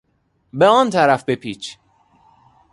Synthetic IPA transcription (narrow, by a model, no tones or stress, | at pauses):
beɒːnt̪ʰæɾæfbepʰiːt͡ʃʰ